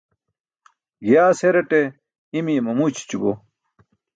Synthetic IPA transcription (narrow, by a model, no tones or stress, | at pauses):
jaːseɾeʈe | imimɐmut͡ɕi̥t͡ɕubo̰